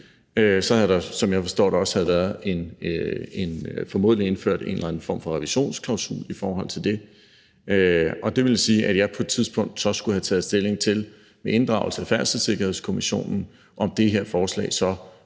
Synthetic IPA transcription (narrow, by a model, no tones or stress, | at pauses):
øsɒ̽hæd̥ɑ̈sɒ̽mjɑ̈ɪfɒ̽sd̥o̰ːɾ̥ɑɒ̽shæð̞̩ˠʋæːɐð̩ˠe̝n | e̝nfɒmo̝ð̰ˠlie̝nfø̰ɐ̰d̥e̝̰nlæn̩fɒ̰ːmfɒ̽ʁɛʋiɕo̝̰ːnskʰlɑ̈ʊsṵːlifɒːɦɒ̽l̰t͡sʰe̝ld̥e̝ | øɒ̽d̥e̝ʋe̝ljsiːʔæd̥jɑ̈ɪpʰɒ̽ed̥t͡sʰiðˠsb̥ɔ̽ŋ̰d̥sɒ̽sɡ̥uhæt͡sʰɛːð̩ˠsd̥e̝le̝ŋt͡sʰe̝l | meʔe̝nd̥ʁɑ̈ʊl̩səæfæɐ̰səse̝ɡ̥ɐhe̝ðˠskʰo̝miɕo̝̰ːnn̩ | ʔɒ̽md̥e̝ɦeɐ̰fɒːslɛ̰ːɪsɒ̽